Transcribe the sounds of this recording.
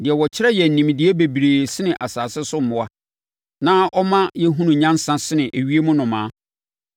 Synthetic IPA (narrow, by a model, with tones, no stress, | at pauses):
dɪ˨ɛ˨wɔ˨t͡ɕʰɪ˦ɾɛ˦jɛ˨n̩˨nĩ˨m˨dɪ˨˦e˦be˨bi˨ɾeː˨sɪ˦nɪ̃˨ʔa˨saː˨sɪ˦sʊ˦m̩˨mʊ̃˨a˦ | nã˦ʔɔ˦mã˦jɛ˦ɦũ˦nʊ̃˨ɲã˦n˦sã˦sɪ˦nɪ̃˨ʔe˨ɥi˦e˦mʊ̃˦nʊ̃˨mãː˨˦